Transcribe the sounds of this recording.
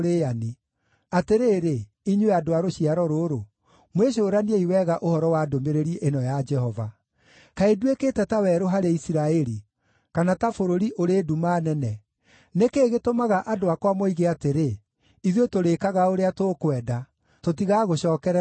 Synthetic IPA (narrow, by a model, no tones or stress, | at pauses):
ɾeani | ateɾeːɾe | iɲweadoaɾoɕiaɾɔɾoɾo | mweɕ̬oːɾanieiwɛːɣaʔohɔɾɔwaːdomeɾeɾieʔenɔjad͡ʒɛhɔva̰ | kaedwekeːtɛtawɛːɾoɦaɾeisiɾaɛɾi | kanatafoɾoɾiʔoɾeːdumaːnɛnɛ | nekeːɣetomaɣaʔadoakwamoiɣeateɾe | iðetoɾekaɣaoɾeatoːkwɛda | totiɣaɣoɕɔːkɛɾɛ